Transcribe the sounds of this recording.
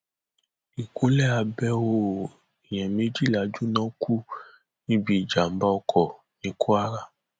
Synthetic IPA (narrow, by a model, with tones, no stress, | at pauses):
i˨kʰo˨˦lɛ˦a˧bɛ˧wo˧ | i˨j̃ɛ̃˨mĩ˨˦d͡ʒi˦˨la˨˦d͡ʒu˦nã˨˦kʰu˦ | nĩ˦bi˦i˨d͡ʒa˨m̩˦ba˦ɔ˧kʰɔ˨ | nĩ˨˧˦kʰo˦a˦ɾa˦˨